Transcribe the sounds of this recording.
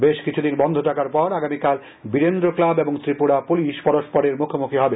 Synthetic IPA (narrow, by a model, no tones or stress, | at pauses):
beʃkit͡ɕʰud̪inbɔnd̪ʱoʈakaɾpɔɾaɡamikal | biɾend̪ɾoklabeboŋt̪ɾipuɽapuliʃpɔɾoʃpɔɾeɾmukʰomukʰiɦɔbe